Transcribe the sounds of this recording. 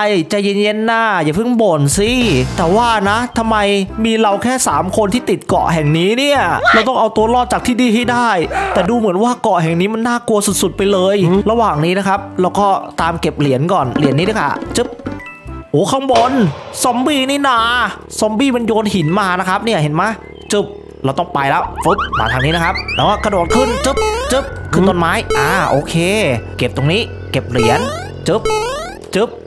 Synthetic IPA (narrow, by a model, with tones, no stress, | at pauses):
ʔa˧˩jt͡ɕa˨˩je˧˥nje˦˥nːaː˥˩jaː˨˩pʰɯ˥˩ŋbo˨˩nsiː˧˩t̪ɛː˨˩waː˥˩na˦˥t̪ʰa˧mːa˧jmiː˧ɾa˧wkʰɛː˥˩saː˩˦mkʰo˧nt̪ʰiː˥˩t̪i˨˩t̪̚kɔ̰˨˩ʔhɛ˨˩ŋniː˦˥ni˥˩ɐɾa˧wt̪ɔ˥˩ŋʔa˧wt̪u˧ɐlɔː˥˩t̪̚t͡ɕaː˨˩k̚t̪ʰiː˥˩diː˧ɦa˥˩jdaː˥˩jt̪ɛː˨˩duː˧mɯ˩˦ənwaː˥˩kɔ˨˩ʔɦɛ˨˩ŋniː˦˥ma˧nːaː˥˩ku˧ɐsu˨˩t̪̚su˨˩t̪̚pa˧jlɤː˧jɾa˧waː˨˩ŋniː˦˥na˦˥kʰa˦˥p̚lɛː˦˥wkɔː˥˩t̪aː˧mke˨˩p̚li˨˩˦ənkɔː˨˩nli˨˩˦nːi˦dɯ˥˩ka̰˧˩t͡ɕɯ˦˥p̚ | ʔoː˨˦kʰa˥˩ŋbo˧nsɔ˦˥mbiː˧˩niː˥˩naː˧˩ | sɔː˦˥mbiː˥˩ma˧njoː˧nhi˩˦nmaː˧na˦˥kʰa˦˥p̚niː˥˩ɐɦe˨˦nma˦˥ | t͡ɕɯ˦˩p̚ | lɛ˧wt̪ɔ˥˩pa˧jlɛ˦˥wfu˦˥p̚maː˧t̪ʰaː˧ŋniː˦˥na˦˥kʰa˦˥p̚lɛː˦˥wkɔː˥˩kʰa˧du˨˩t̪̚kʰɯ˥˩nt͡ɕɯ˦˥p̚t͡ɕɯ˦˥p̚kʰɯː˧t̪o˧nmaː˦˥jʔaː˨˩ʔoː˧kʰeː˧ke˨˩p̚t̪o˧ŋniː˦˥ | ke˨˩p̚li˨˩˦ən | t͡ɕɯ˦˥p̚ | t͡ɕɯ˦˥p̚